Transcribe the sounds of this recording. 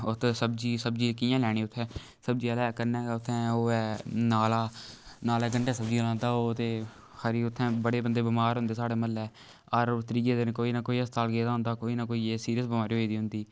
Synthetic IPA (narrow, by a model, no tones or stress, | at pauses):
ʊt̪ʰːsəbd͡ʒiːsəb̚d͡ʒiːkɪjãːlɛːɽ̃iːʊt̪ʰːɛ̃ː | səb̚d͡ʒiːəlɛːkəɾnɛːʊt̪ʰːɛ̃ːoːɛːnaːlaːnaːlɛːɡəɳʈɛːsəbd͡ʒiːlãːnd̪aːoːt̪eː | həɾiːʊt̪ʰːɛ̃ːbəɽeːbənd̪eːbəmaːɾɦʊ̃nd̪eːsaːɽeːməlɛː | ɔɾt̪əɾiːd͡ʒeːd̪enkoːiːnaːkoːiːəst̪aːlɡeːd̪aːɦʊ̃nd̪aːkoːiːnaːkoːiːeːsiːɾijəs̬bəmaːɾiːɦoːid̪iːɦʊ̃nd̪iː